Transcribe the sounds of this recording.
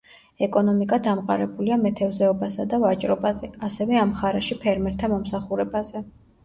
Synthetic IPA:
ɛkʼɔnɔmikʼad̪amqʼa̰ɾɛbuliamɛt̪ʰɛvzɛɔbasad̪avat͡ʃʼɾɔbazɛasɛvɛamχaɾɛʃipʰɛɾmɛɾt̪ʰamɔmsaχuɾɛbazɛ

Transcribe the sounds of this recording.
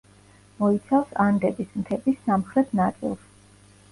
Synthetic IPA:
mɔit̪sʰafsand̪ɛbismt̪ʰɛbisːamχɾɛt̪ʰnat̪sʼḭlˠs

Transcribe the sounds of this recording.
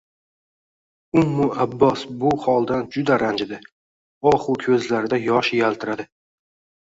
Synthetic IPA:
ʊmːʊabːɒsbʊhɒlˠd̪and͡ʒʊd̪aɾand͡ʒɪd̪ɪ | ɒχʊkʲʰɵzlaɾɪd̪ajɒʃjalˠt̪ʰɪɾad̪ɪ

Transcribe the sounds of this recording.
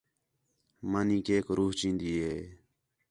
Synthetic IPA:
maːnĩːkeːkɾuːɦt͡ʃĩːnd̪iːɦeː

